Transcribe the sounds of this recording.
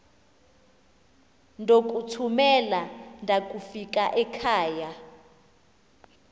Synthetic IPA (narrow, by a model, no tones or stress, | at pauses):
ndʱok̬ʼutʰumɛlandʱakʼufikʼaʔɛkʰaːja